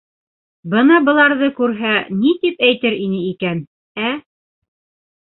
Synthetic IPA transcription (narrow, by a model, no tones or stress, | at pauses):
bɤnɑbɤ̆lˠɑɾðɤkʉɾɦænit̪ipæjt̪ɘɾinɘikæn | æ